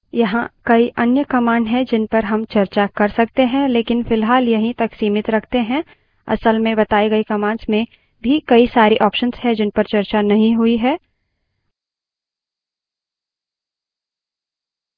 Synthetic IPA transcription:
jɐɦãkɐiʔɐnjəkɐmãːɳɖɦɛd͡ʒɪnpɐɾɦɐmt͡ʃɐɾt͡ʃakɐɾsɐk̚t̪eɦɛ̃leːkɪnfɪlɦaːljɐɦĩt̪ɐksiːmɪt̪ɾɐkʰt̪eɦɛ̃ | ɐ̰səlmẽbɐt̪aːiɡɐikɐmãːɳsmẽ | bʱikɐisaːɾiʔɔːpʃənsɦɛd͡ʒɪnpɐɾt͡ʃɐɾt͡ʃanɐɦĩɦʊiɦɛː

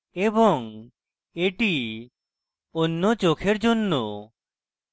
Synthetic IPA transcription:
ebɔŋ | eʈi | onːot͡ʃokʰeɾd͡ʒonːo̰

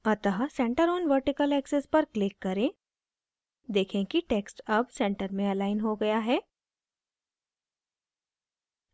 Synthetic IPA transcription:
ɐt̪əɦasɛ̃ːɳʈəɾɔːnʋəɾʈɪkəlɛːksɪspɐɾklɪkːɐɾẽː | d̪eːkʰẽkiʈeːksʈɐbsɛ̃ɳʈəɾmẽɐlaːɪnɦoɡɐjaɦɛː

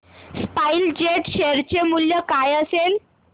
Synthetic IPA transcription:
spaild͡ʑeʈɕeɾt͡ɕemuljəkajəsel

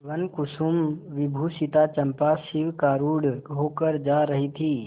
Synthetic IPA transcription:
ʋənkʊsumʋɪbʱuːsit̪at͡ʃɐmpasɪʋkaːɾuːɽʱokəɾd͡ʒaːɾəɦit̪ʰiː

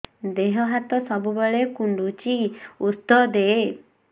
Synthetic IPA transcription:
d̪eɦɔɦat̪ɔsɔbubeɭekuɳɖut͡ʃiusd̪ɔd̪e

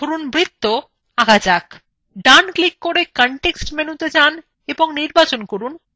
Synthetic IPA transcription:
oɾunbɾit̪ːo | aɡad͡ʑak | ɖanklikːoɾekɔɳʈeksʈmenut̪ed͡ʑan | eboŋniɾbat͡ɕonkoɾun

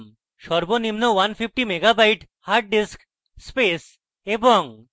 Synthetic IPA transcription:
m | ʃɔɾbonimnowanfʰip̚ʰʈimeɡabajʈ | haɾʈ̚ɖisk | spes | eboŋ

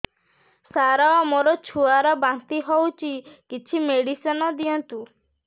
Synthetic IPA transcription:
saɾamoɾɔt͡ʃʰuaɾɔbant̪iɦowt͡ʃʰikit͡ʃʰimeɽisɔnɔd̪iɔnt̪u

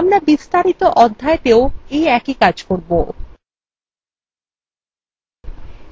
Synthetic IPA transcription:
amɾabist̪aɾit̪oʔɔd̪ʱːaet̪eoejɛkikad͡ʑkoɾbo

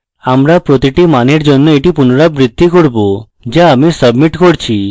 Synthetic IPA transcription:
amɾapɾot̪iʈimaneɾd͡ʑonːoeʈipunoɾabɾid̪ʱːikoɾbo | d͡ʑaamisəbmiʈkoɾt͡ɕʰi

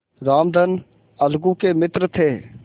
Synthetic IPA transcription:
ɾaːmd̪ʱən | əlɡũːkeːmɪt̪ɾt̪ʰeː

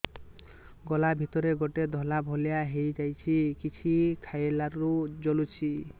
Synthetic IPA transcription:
ɡɔlabʱit̪ɔɾeɡoʈed̪ʱɔlabʱɔlijaɦejd͡ʒajt͡ʃʰikit͡ʃʰikʰajelaɾud͡ʒolut͡ʃʰi

